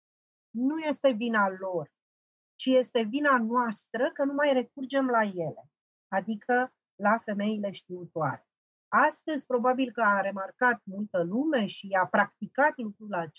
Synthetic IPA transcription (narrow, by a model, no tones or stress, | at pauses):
nuje̞st̪e̞vinalo̞r | t͡ʃije̞st̪e̞vinanoast̪ɾəkənumajre̞k̚urd͡ʒe̞mlaje̞le̞ | ad̪ikʰə | lafe̞me̞ile̞ʃt̪̚iut̪oa̰ɾe̞ | ast̪əzʲpɾo̞babilkəaɾe̞markat̪̚mult̪əlume̞ʃiapɾak̚t̪ikat̪lukɾulat͡ʃ